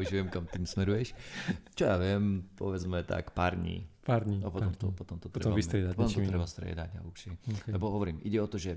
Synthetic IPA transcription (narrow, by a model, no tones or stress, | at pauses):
uʒʋɪɛmkamt̪iːmsmɛɾujɛʃt͡ʃɔjaʋɪɛmpɔ̰ʋɛd͡zmɛt̪a̰kpaːɾd̪ɲḭːpaɾd̪ɲiapɔt̪ɔmt̪ɔpɔt̪ɔmt̪ɔ̥t̪ɾɛmbvist̪ɾɛd̪apɔt̪ɔmt̪ɔt̪ɾɛbast̪ɾɛ̰d̪aɟa̰uʃilɛbɔɦɔʋɔɾiːmʔiɟɛɔt̪ɔʒɛ